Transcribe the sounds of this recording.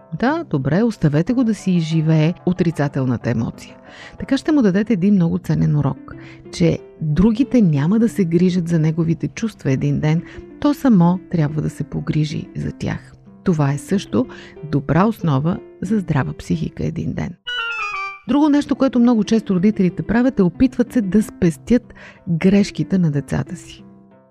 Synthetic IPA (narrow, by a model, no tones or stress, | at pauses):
d̪ad̪obɾɛost̪ɐvɛt̪ɛɡod̪ɐsiːʒivɛːot̪ɾit̪sat̪ɛlˠnət̪əɛmɔ̰t̪sijə | t̪ɐkaʃt̪ɛmʊd̪ɐd̪ɛt̪ɛːd̪inmnɔɡʊt̪sɛnɛnuɾɔ̰kt͡ʃɛ̰ | d̪ɾuɡʲit̪ɛnʲaməd̪ɐsɛɡɾiʒət̪zɐnɛɡovit̪ɛt͡ʃust̪vɐɛd̪ind̪ɛnt̪ɔsɐmɔt̪ɾʲjabvəd̪ɐsɛpoɡɾiʒḭzɐ̰t̪ʲja̰x | t̪ovaɛsɤʃt̪od̪obɾʔaosnɔvə | zɐzd̪ɾavəpsixḭkə̰ɛ̰d̪ḭnd̪ɛ̰n | d̪ɾuɡonɛʃt̪okoɛt̪omnɔɡʊt͡ʃɛst̪oɾod̪it̪ɛlit̪ɛpɾavʲət̪ɛopit̪vət̪sɛd̪ɐspɛst̪ʲjɤt̪ɡɾɛʃkit̪ɛnɐd̪ɛt̪sa̰t̪əsi̥